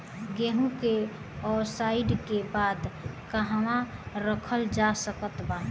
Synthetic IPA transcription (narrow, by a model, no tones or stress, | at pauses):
ɡeɦũke | ɔsaɪɖkebaːd̪kəɦamãɾəkʰəld͡ʒasəkət̪ba